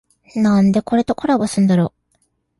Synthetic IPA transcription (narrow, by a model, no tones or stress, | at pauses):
nãnd̪e̞ko̞ɾe̞t̪o̞kʰoɾabosɨ̃nd̪aɾo̞ː